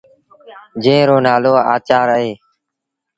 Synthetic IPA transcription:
d͡ʒẽːɾoːnaːloːa̰ːt͡ʃaːɾəɦeː

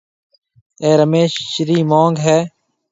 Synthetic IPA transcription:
eːɾəmeːʃʃɪɾiːmõːŋɡɦɛː

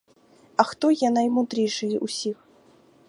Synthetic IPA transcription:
ɐxt̪ɔjanɐjmud̪ɾʲejʂɨjɛʔusʲix

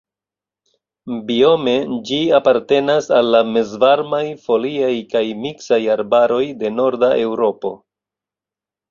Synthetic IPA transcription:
bio̞me̞d͡ʒiapaɾte̞nasalːame̞zvaɾmajfo̞liajkajmiksajaɾbaɾo̞jde̞no̞ɾdaʔe̞wɾo̞po̞̰

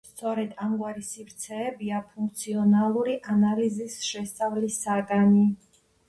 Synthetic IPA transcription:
st̪sʼɔɾɛd̪amɡwaɾisifɾt̪sʰɛːbiapʰuŋk̚ʰt̪sʰiɔnalˠuɾiʔanalizisʃɛst̪sʼavlisaɡani

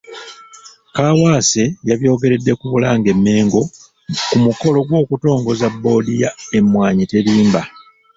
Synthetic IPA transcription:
kaːwaːse̞jaβjo̞ːɡe̞ɾe̞dːe̞kuβulaːŋɡe̞mːe̞ːŋɡo̞ | kumuko̞lo̞ɡwo̞ːkuto̞ːŋɡo̞zabːo̞ːdijae̞mːwaːɲite̞ɾiːmba

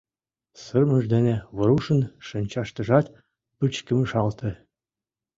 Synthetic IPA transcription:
sɤ̆rmə̆ʐd̪enʲeβɤ̆ɾuʃɤ̆nʃɤ̆nʲt͡ɕɑʃt̪ɤ̆ʒɑt̪ | pɯt͡ɕkɘ̆mɘ̆ʂɑlt̪ʰɘ̆

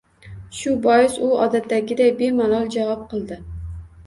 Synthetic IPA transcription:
ʃʊbɒjɪsʊɒ̰d̪at̪ːaɡʲɪd̪ajbemalˠɒlˠd͡ʒavɒp̚qʰɨlˠd̪ɪ

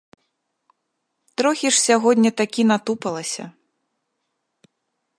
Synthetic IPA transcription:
t̪ɾɔxʲiʂsʲaɣɔdʲnʲɐt̪akʲin̪at̪upɐlˠɐsʲɐ̰

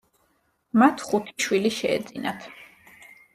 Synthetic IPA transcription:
mat̪ʰχut̪ʰi̥ʃwiliʃɛ̰ːd̪zʼinat̪ʰ

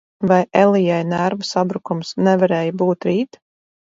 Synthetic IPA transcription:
vajʔɛlˠijajnæɾvasabɾukumsnɛvaɾɛːjabuːt̪ɾiːt̪

